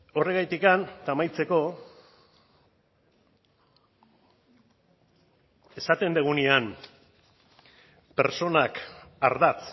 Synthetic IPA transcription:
o̞re̞ɣajt̪ikant̪amajt͡se̞ko̞ | e̞sat̪e̞nd̪eɣ̞unian | pe̞ɾt͡so̞nakaɾðat͡s

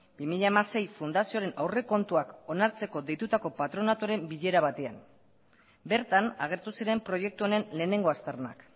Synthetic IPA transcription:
bimiʎaemase̞jfund̪asioɾe̞nʔawre̞ko̞nt̪uako̞naɾt͡se̞ko̞d̪e̞jt̪ut̪ako̞pat̪ɾo̞nat̪uɾe̞mbiʎe̞ɾaβ̞at̪e̞a̰m | be̞ɾt̪anaɣe̞ɾt̪usiɾe̞mpɾo̞je̞k̚t̪uo̞ne̞nle̞ːne̞ŋɡo̞ast̪eɾna̰k

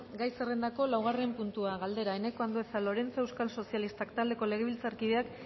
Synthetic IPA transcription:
ɡajsere̞nd̪ako̞lawɣ̞are̞mpunt̪uaɣald̪e̞ɾaene̞ko̞and̪oesalo̞ɾe̞nt͡so̞ewskalso̞sialist̪akt̪ald̪e̞ko̞le̞ɣe̞βilt͡saɾkið̞e̞ak

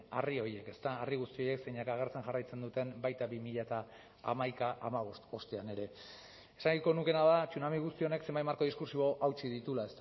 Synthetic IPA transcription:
ario̞ie̞ke̞st̪aːriɣ̞ust̪io̞je̞ksejɲakaɣ̞e̞ɾt͡se̞ŋʝarajt͡se̞nd̪ut̪e̞mbajt̪aβimiʎat̪a | a̰majkaʔamaβo̞st̪o̞st̪eane̞ɾe̞ | esaŋɡiko̞nuke̞naðat͡sunamiɣust̪io̞ne̞kse̞mbajt̪maɾko̞ð̞iskuɾsiβo̞ʔawt͡ʃiðit̪ulaest̪

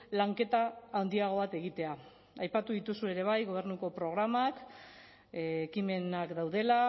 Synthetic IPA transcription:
laŋke̞t̪aːwnd̪iaɣ̞o̞βat̪e̞ɣ̞it̪e̞a | ajpat̪uðit̪usue̞ɾe̞β̞ajɣo̞β̞e̞ɾnuko̞pɾo̞ɣ̞ɾamak | ekime̞nakd̪awðe̞la

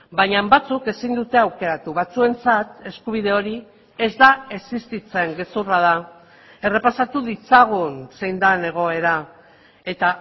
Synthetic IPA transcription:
bajɲambat͡suke̞sind̪ut̪e̞awke̞ɾat̪uβat͡sue̞nt͡sat̪e̞skuβ̞ið̞e̞o̞ɾi | e̞zd̪ae̞sist̪it͡se̞ŋɡe̞suraða | e̞re̞pasat̪uðit͡saɣ̞unse̞jnd̪ane̞ɣ̞o̞e̞ɾa | e̞t̪a

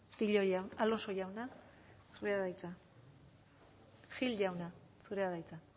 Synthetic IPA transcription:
t̪iʎojawaloso̞jawna | suɾeaðajt͡sa | xilʎawna | suɾe̞aðajt͡sa

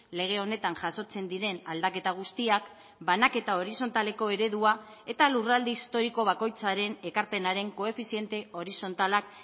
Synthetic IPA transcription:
le̞ɣ̞e̞o̞ne̞t̪aŋʝaso̞t͡se̞nd̪iɾe̞nald̪ake̞t̪aɣ̞ust̪iak | banake̞t̪ao̞ɾiso̞nt̪ale̞ko̞e̞ɾe̞ðua | e̞t̪alurald̪iist̪o̞ɾiko̞βako̞jt͡saɾe̞ne̞kaɾpe̞naɾe̞ŋko̞e̞fisie̞nt̪e̞ʔo̞ɾiso̞nt̪alak̚

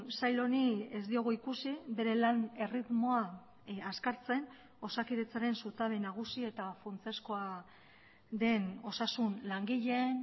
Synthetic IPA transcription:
sajlo̞niezd̪io̞ɣoikusibe̞ɾe̞lane̞rit̪mo̞a | askaɾt͡se̞n | o̞sakiðe̞t͡saɾe̞nsut̪aðenaɣ̞usie̞t̪afunt͡se̞sko̞a | ðe̞no̞sasunlaŋɡiʎe̞n

